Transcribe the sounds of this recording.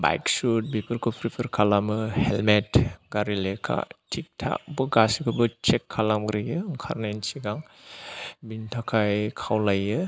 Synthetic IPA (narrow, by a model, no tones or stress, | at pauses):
ba̰jksut̚bipʰɯɾkʰupʰɾipʰɯɾkʰalamɯhelmetɡaɾilekʰa̰tʰik̚tʰa̰k̚bɯɡasikʰɯbɯt͡ʃekʰːalamɡɾijɯŋkʰa̰ɾnensiɡaŋ | bintʰakʰajkʰawlajɯ